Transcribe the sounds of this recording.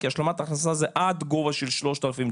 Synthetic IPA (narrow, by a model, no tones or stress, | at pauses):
kiaʃlamat̪aχnasazeʔad̪ɡovaʃelʃlo̞ʃt̪alafim